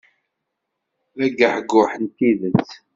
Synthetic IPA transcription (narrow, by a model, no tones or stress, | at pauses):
ðæɡəħɡʊħənt̪iðət͡sː